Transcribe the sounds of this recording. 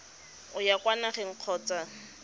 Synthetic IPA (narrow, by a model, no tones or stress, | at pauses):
ʊjakwanaχɛŋ̩q͡χʰɔːt͡sʼa